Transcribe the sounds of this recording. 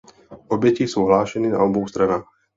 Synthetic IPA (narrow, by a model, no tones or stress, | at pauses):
ɔbɛciːsuːɦlaːʃɛniːna̰ɔbɔʊst̪ɾanaːx